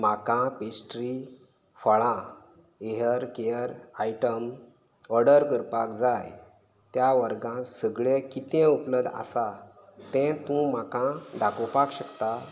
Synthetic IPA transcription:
m̤akãpesʈɾi | fəɭã | eɦəɾkejəɾaiʈəm | əɾɖəɾkəɾpakd͡zaj | t̪jaʋəɾɡãsəɡɭẽkit̪ɛ̃upləbd̪ʱa̰sa | t̪ɛ̃t̪ũm̤akãɖakəwpakɕəkt̪a

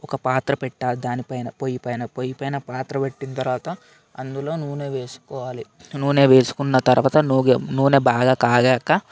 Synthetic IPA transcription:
ɔkɐpaːt̪ɾɐpɛʈːaːld̪aːnipɐjnɐpojipɐjnɐpojipɐjnɐpaːt̪ɾɐpeʈːinɐt̪ɐɾʋaːt̪ɐ | ɐnd̪ulo̞ːnuʋne̞ːʋe̞ːsu̥kɔːʋaːli | nuːne̞ːʋe̞ːsu̥kunːɐt̪ɐɾʋaːt̪ɐnuɡenuːne̞ːbaːɡaːkaːɡɛːkːɐ

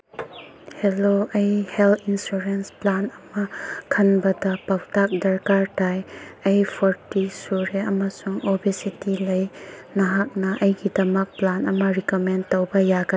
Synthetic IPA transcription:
heloʔɐjhɛlinsuɾensplanɐmɐkʰɐnbɐdɐpawtak̚dɐɾkaɾtajɐjpʰɔɾtisuɾeɐmɐsuŋobisitilɐjnɐɦak̚nɐʔɐjɡidɐmɐk̚planɐmɐɾikomentowbɐjaɡɐ

